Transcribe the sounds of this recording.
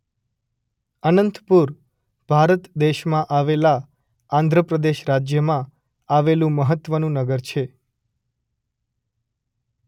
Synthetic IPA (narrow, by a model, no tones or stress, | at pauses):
ənənt̪puɾ | b̥ʱaɾət̪d̪eʃmãʔaʋela | ãnd̪ʱɾəpɾəd̪eʃɾad͡ʒjəmã | aʋelũməɦət̪ːʋənũnəɡəɾt͡ʃʰe